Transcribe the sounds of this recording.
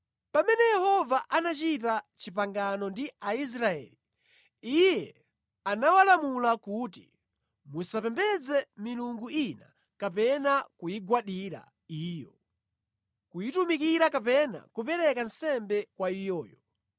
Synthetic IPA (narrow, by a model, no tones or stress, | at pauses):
pamɛnɛjɛhɔvaʔanat͡ʃit̬at͡ʃipaŋɡanɔndiais̬ɾaɛ̰li | ijɛ | anawalamulakuːt̬i | musapɛmbɛd͡zɛmiluŋɡuina̰ | kapɛnakujiɡwaɗiɾa̰ | iːjɔ | kujitumik̬iɾakapɛna̰kupɛɾɛkansɛmbɛkwaijɔːjɔ